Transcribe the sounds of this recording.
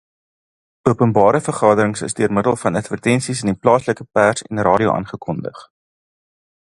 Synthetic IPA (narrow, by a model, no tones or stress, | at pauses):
uəpənbɑːɾəfərχɑːdəɾəŋsə̰sdøərmədəlˠfɐnɐtfərtɛnsisəniplɑːsləkəpærsɛ̰nrɑːɾio̰ʔɑ̰ːnχəkɔndə̰χ